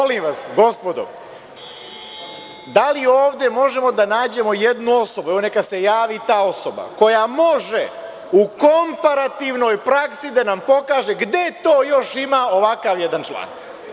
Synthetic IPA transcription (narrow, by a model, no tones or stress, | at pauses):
olimʋasɡo̞spod̪o̰ | d̪alio̞ːʋd̪e̞mo̞ʒe̞mo̞d̪anaːd͡ʑe̞mo̞jed̪nuo̞so̞buɛʋone̞kase̞jaːʋit̪aːo̞soba̰ko̞jamo̞ʒe | uko̞mpaɾat̪iʋno̞ːjpɾaksid̪anampo̞kaːʒe̞ɡd̪e̞t̪o̞ːjo̞ʃimaːo̞ʋakaʋjed̪ant͡ʃlˠa̰ːn